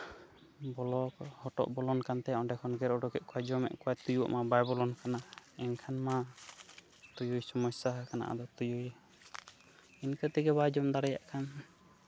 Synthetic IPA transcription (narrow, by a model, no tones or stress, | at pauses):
bɔlɔkhɔʈɔ̰ʔbɔlɔnkant̪ɛɔɖɛkʰɔnɡɛɾɔɖɔɡɛʔ̚kɔwad͡ʒɔmɛ̰ʔkɔat̪ujṵʔmabajbɔlɔnkanaɛnkʰanma | t̪ujujsɔmɔsaɦakana̰ʔa̰d̪ɔt̪ujuj | inkət̪ɛɡɛbad͡ʒɔmd̪aɽɛja̰ʔkʰan